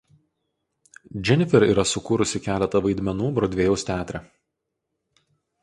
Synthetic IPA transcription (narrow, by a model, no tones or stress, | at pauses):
d͡ʒʲɛnʲɪfʲɛɾiːɾɐsʊkuːɾʊsʲɪkʲæːlʲɛt̪ɐʋɐɪd̪ʲmʲɛnuːbɾoːd̪ʲʋʲeːjɛʊst̪ʲæːt̪ʲɾʲɛ